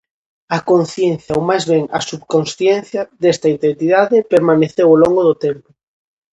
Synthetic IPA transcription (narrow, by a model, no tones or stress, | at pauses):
ɐkonθjẽnθjaowmajzβeŋasubkonsθjen̟θjad̪est̪aint̪ent̪iðaðepeɾmaneθewoloŋɡoðʊt̪empo